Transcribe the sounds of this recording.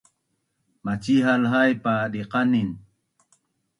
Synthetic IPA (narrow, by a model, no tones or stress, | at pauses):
mat͡ʃiɦalɦajpadiqanin